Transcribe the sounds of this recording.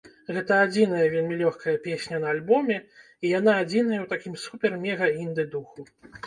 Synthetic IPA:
ɣɛt̪ɐad͡zʲinɐjɐvʲelʲmʲilʲɔxkɐjɐpʲesʲnʲɐnɐalʲbɔmʲɛ | ijanaːd͡zʲinɐjɐwt̪akʲimsupʲɛrmʲɛɣɐind̪ɨd̪uxu

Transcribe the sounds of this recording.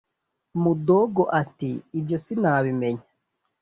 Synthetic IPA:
mudoɡoʔatiːbjosinaːβimeɲa

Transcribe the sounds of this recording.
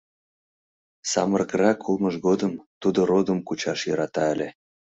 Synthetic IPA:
sɑ̰mərkəɾɑkʰulməʒɡod̪əmt̪ud̪oɾod̪əmkut͡ɕɑʃjɤɾɑt̪ɑəlʲe

